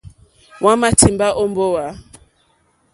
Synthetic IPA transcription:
wa˦ma˦ti˨mba˦ʔo˦mbo˦wa˨

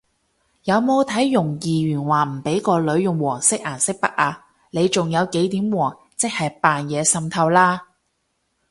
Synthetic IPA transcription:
jɐ˨˧wmo˨˧wt̪ʰɐ˨˥jːʊ˨˩ŋjiː˨ɥyː˨˩nwaː˨˩m̩˨˩pe˨˥jkɔː˧lɵ˨˧ɥjʊ˨ŋwɔː˨˩ŋsɪ˥k̚ʔaː˨˩nsɪ˥k̚pɐ˥k̚ʔaː˨˧ | le˨˧jt͡sʊ˨ŋjɐ˨˧wke˨˥jt̪iː˨˥mwɔː˨˩ŋ | t͡sɪ˥k̚hɐ˨jpaː˨njɛː˨˧sɐ˧mt̪ʰɐ˧wlaː˥

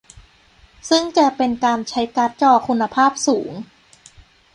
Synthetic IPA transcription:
sɯ˥˩ŋt͡ɕa˨˩pe˧nkaː˧nt͡ɕʰa˦˥jka˦˥t̪̚t͡ɕɔː˧˩kʰu˧nːa˧pʰaː˥˩p̚suː˩˦ŋ

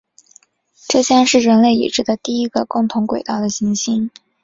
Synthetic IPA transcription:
ʈ͡ʂɤ˥˧ɕjɑ˥ŋʂɻ̩˥˩ɻə˧˥nle˥˩ɪḭ˨˩ʈ͡ʂɻ̩˥˩d̪ə˨t̪i˥˩i˥ɡə˧kʊ˥˩ŋt̪ʰʊ˧˥ŋkwe˨˩ɪt̪ɑ˥˩ʊd̪ə˩ɕi˧˥ŋɕi˥n

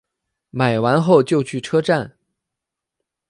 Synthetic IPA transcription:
ma˨˩ɪwa˧˥nxo˥˧ʊt͡ɕjo˥˧ʊt͡ɕʰy˥˩ʈ͡ʂʰɤ˥ʈ͡ʂa˥˩n

